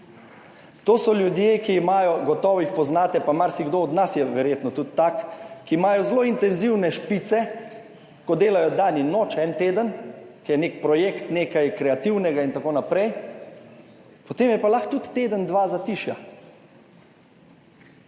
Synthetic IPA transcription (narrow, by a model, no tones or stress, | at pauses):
t̪oːsɔljud̪jeːkiːmaːjɔɡɔt̪ɔʋixpɔznaːt̪ɛpamaɾsiɡd̪oːd̪nasjɛʋɛɾjeːt̪nɔt̪ut̪t̪ːakːiːmaːjɔzloint̪ɛnziwnɛʃpit̪sɛ | kɔd̪eːlajɔd̪aninoːt͡ʃɛnt̪eːd̪ənkijɛnekpɾɔjekt̪neːkajkɾɛat̪iwnɛɡaint̪akoːnapɾɛj | pot̪eːmjɛpalaxt̪ut̪ːeːd̪ənd̪ʋazat̪iʃja